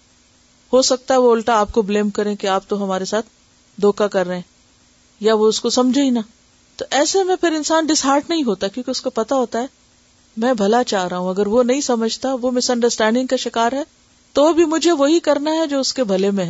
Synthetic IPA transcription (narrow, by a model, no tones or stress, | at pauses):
hosɐk̚t̪aɦɛʋoʊlʈaːp̚kobleːmkɐɾẽkiaːp̚t̪oɦɐmaːɾesaːt̪̚ʰ | d̪ʱoːkakɐɾːɐɦẽ | jaʋoʊskosɐmd͡ʒʱaina | t̪oʔɛːsemẽpʰɪɾɪ̃nsaːnɖɪsɦaːɾʈnɐɦĩɦoːt̪aɛkjõːkeʊskopɐt̪aɦoːt̪aɦɛː | mɛ̃ːbʱɐlat͡ʃaːɦɾɐɦũɐɡəɾʋonɐɦĩsɐməd͡ʒʱt̪aʋomɪsɐ̃ɳɖəɾsʈɛ̃ːɳɖɪ̃ŋɡkaʃɪkaːɾɦɛ | t̪obʱimʊd͡ʒʱeʋoɦikɐɾnaɦɛd͡ʒoːʊskebʱɐlemẽɦɛ̃ː